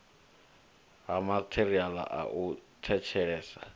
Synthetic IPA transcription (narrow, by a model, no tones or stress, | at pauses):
ɦamatʰeriala̰ʔa̰ʔutʰɛt͡ʃʰɛɛːsa